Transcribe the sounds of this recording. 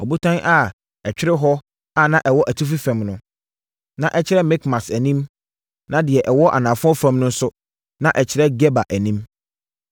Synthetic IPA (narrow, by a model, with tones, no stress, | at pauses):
ɔ˨bu˦tʰã˦nʔa˦˨ | ɛ˨t͡ɕᶣɪ˦ɾɪ˦ɦɔ˦ | a˦˨nã˦ʔɛ˨wɔ˦ʔæ˨tʰu˦f̬i˦fæ̃˨mnʊ̃˦ | nã˨ʔɛ˦t͡ɕʰɪ˦ɾɛ˦mɛ˦kmã˨sæ˨nĩ˦m | nã˦dɪ˨ɛ˨ʔɛ˨wɔ˦ʔa̰˨nãː˨fʊ̃˦ɔ˦fæ̃˦mnʊ̃˦n̩˦sʊ˦ | nã˨ʔɛ˨t͡ɕʰɪ˨ɾɛ˦ɡɛ˦ba˨ʔæ˨nĩ˦m